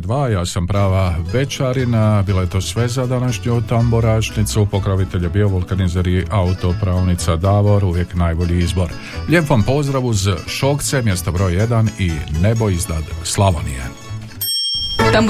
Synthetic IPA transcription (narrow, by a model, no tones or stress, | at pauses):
d̪ʋaːjaːsampɾaːʋaʋe̞t͡ʃaɾinabiːlaje̞t̪o̞ːsʋe̞zad̪anaʃɲut̪amboɾaːʃnit̪supo̞kɾoʋit̪e̞ʎebio̞ʋolˠkanizeɾiʔaut̪o̞pɾaːʋnit̪sad̪aʋo̞ɾuʋje̞knaːjbo̞ʎiizbo̞ɾ | ʎeːpoʋampo̞zd̪ɾaʋuzʃo̞kt̪se̞mje̞st̪obɾo̞ːjje̞d̪anine̞bo̞izd̪ad̪slˠaʋonḭjḛ | t̪am